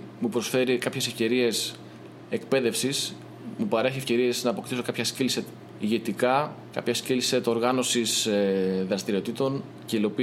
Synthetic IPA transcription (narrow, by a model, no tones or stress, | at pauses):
mupɾo̞sfe̞ɾikɐpçe̞sefce̞ɾie̞s | ekpe̞ðe̞fsis | mupɐɾe̞çie̞fce̞ɾie̞znɐːpo̞kt̪iso̞kɐpçɐscilset̪ | iʝe̞t̪ikɐkɐ̰pçɐscilse̞t̪o̞ɾɣɐno̞sisðɾɐst̪iɾio̞t̪it̪o̞n | ce̞ilo̞pi